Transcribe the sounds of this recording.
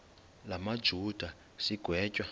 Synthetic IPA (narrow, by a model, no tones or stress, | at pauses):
lamad̥ʒ̥ʱud̥ʱa | siɡ̥ʱwɛːcʼwa